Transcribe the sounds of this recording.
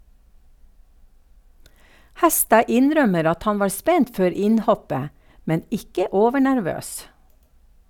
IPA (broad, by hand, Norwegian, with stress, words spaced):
ˈhɛˌstɑː ˈɪnˌɾœməɾ ˈɑt ˈhɑn ˈʋɑːɾ ˈspɛnt ˈføːɾ ˈɪnˌhɔpə ˈmɛn ˈɪkə ˈoːʋəɳæɾˌʋøːs